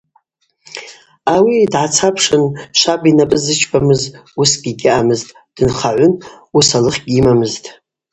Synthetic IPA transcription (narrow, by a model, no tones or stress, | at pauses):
awidʕat͡sʰapʰʂɨnʃʷʰabinapʼɨzɨt͡ʃʰbamɨzusɡʲɪɡʲɪʔamɨztʼ | d̥ɨnχaʕʷʊn | usalɨχʲɡʲimamɨztʼ